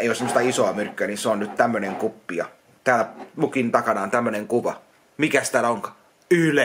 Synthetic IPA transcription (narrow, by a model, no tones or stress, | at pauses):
eijosemost̪ɑisoɑmyrkːyæninseonnyt̪t̪æmːøneŋkupːijɑ̰ | t̪æːlæmukint̪ɑkɑnɑːnt̪æmːøneŋkuʋɑ | mikæst̪æːlæoŋkɑ̥ː | yle